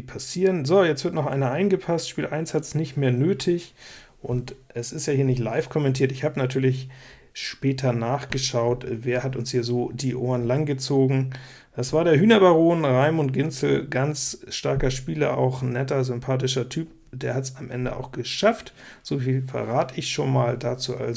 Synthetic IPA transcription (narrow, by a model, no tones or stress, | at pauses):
pʰasiːʁənzojɛt͡stv̥ɪɐtnɔχʔa̰ɪnɐʔaɪnɡəpʰastʃpiːlʔaɪnshatsnɪçtmeːɐnøːtʰɪç | ʔʊ̰ntʔɛsɪstjaːiːɐnɪçtla̰ɪfkʰɔmɛntʰiːɐtɪçhaːbənatʰyːɐlɪç | ʃpɛːtʰɐnaːχɡ̥əʃaʊtveːɐhatʊnshiːɐzoːdiːʔoːɐənlaŋɡət͡soːɡŋ̩ | d̥asv̥aːɐɾeːɐɦyːnɐbaʁoːnʁaɪmʊnt̚ɡ̥ɪnt͡sl̩ɡant͡sʃtaɐkɐʃpiːlɐ̰ʔa̰ʊxnɛtɐzʏmpʰaːt̬ɪʃɐtʰyːp̚ | d̥eːɐhatsamʔɛ̰ndə̰ʔa̰ʊxɡ̥əʃaftz̥oːfiːlfɛ̰ʁaːtɪçʃoːnmaːldaːt͡suːʔa̰lz